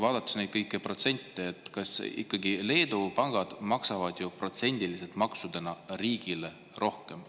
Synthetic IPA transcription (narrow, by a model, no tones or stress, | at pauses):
vɑːd̪̥ɑt̪ːˑɑ̥snejt̪̚kɤjkːˑepro̞t̪se̞nʲt̪ːˑeːt̪ːˑkɑsḭkˑːɑɡile̞ːd̪̥upɑŋɡ̥ɑd̪̥mɑksɑvɑd̪̥jupro̞t̪se̞nʲd̪̥iliselt̪mɑksud̪enɑriːɡ̥ile̞ | ro̞hke̞m